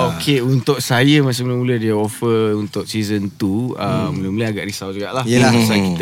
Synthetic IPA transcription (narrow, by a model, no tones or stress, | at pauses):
okʰeunt̪ʊk̚sajəmãs̬emuləmulədiəofəunt̪ʊk̚sizənt̪uəmuləmuləaɡaʔɾisawd͡ʒuɡaʔlaəlasakit̪